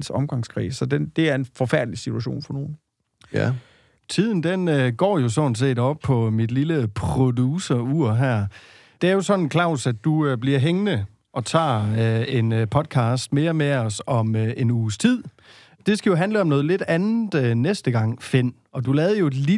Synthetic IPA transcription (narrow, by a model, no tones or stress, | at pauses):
sɒmɡ̥ɑ̈ŋskʰʁḭːsɒ̽d̥end̥e̝æɐe̝nfɒ̽fæɐd̥lisit͡sʰuæɕo̝̰ːnfɒ̽no̝ːn̩ | t͡sʰið̰ˠn̩d̥enøɡ̥ɒ̰ːjo̝sɔn̩s̬e̝̰ːdɒ̽b̥̚pʰɒ̽mid̥liləpʰʁodusɐuɐ̰ɦæɐ̰ | d̥e̝æɐjo̝sɒ̽nn̩kʰlɑ̈ʊ̰sædd̥ub̥liɐ̰ɦeŋnə | ɒ̽t͡sʰɑ̰̈ːe̝npʰɒ̽d̥̚kʰɑ̈ːsd̥̚me̝ːɐmeɒ̽sɒ̽me̝nuːst͡sʰið̰ˠ | d̥e̝sɡ̥æjo̝ɦænləɒ̽mnɔ̽ːð̞̩ˠle̝d̥ænð̩ˠnesd̥əɡ̥ɑ̈ŋ̰fe̝n̰ | ɒ̽d̥ulɛːðˠɐjo̝e̝dli